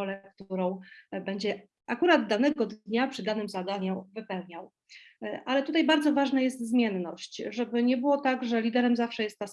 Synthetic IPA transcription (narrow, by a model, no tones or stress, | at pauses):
ɔlɛk̚t̪uɾɔ̃w̃bɛɲd͡ʑɛ | ʔakuɾad̪ːanɛɡɔd̪ɲapʂɘd̪anɘmzad̪aɲuvɘpɛwɲaw | ʔalɛt̪ut̪ajbaɾd̪zɔvaʐnajɛs̬t̪zmʲjɛnːɔ̰ɕt͡ɕʐɛbɘɲɛbɘwɔt̪aɡʐɛlʲid̪ɛɾɛmzafʂɛjɛst̪ːas